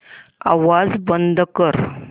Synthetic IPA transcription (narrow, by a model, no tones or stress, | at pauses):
aʋad͡zbənd̪ʱkəɾ